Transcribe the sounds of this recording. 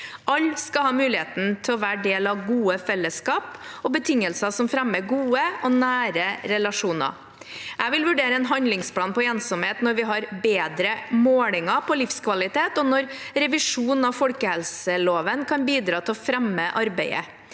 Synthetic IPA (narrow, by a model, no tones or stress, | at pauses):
ʔɑlːskɑhɑːmʉːlɪheːt̪n̩t̪ʰɪɔʋæːɖeːlɑʋɡuːəfɛlːəskɑːpɔbət̪ʰɪŋːəlsɑsɔmfɾɛmːəɡuːəɔnæːɾəɾɛlɑʂuːnɑ̰ | ʔæʋɪlʋʉɖeːɾəɛnɦɑnd̪lɪŋspʰlɑːnpɔeːnsɔmheːt̪nɔɾʋɪɦɑɾbeːd̪ɾəmoːlɪŋɑpʰɔlɪfskʰʋɑlɪt̪ʰeːt̪ɔnɔɾɾɛʋɪʂuːn̩ɑʋfɔlkəhɛlsəloːʋənkʰɑnbiːd̪ɾɑːt̪ʰɪɔfɾɛmːəʔɑɾbæɪə̰